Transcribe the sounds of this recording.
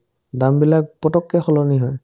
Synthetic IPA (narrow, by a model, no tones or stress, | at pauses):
dambilak̚pɔtɔkːɛxɔlɔniɦɔj